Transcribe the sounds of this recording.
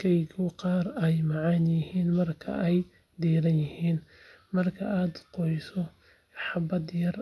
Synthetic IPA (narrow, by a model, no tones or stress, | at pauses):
kʰɛjɡʊqɑːrɛjmɑʕɑnjɪhiːnmɐrkʰɐ̰ɛj | d̪iːɾɐnjɪhiːn | mɐrkʰɐʔaːd̪qɔjsɔ | ħɑbɐd̪jɐr